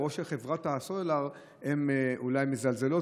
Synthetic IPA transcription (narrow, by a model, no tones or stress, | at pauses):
oʃelχevʁat̪asolaʁ | emeʔulajmizalzelo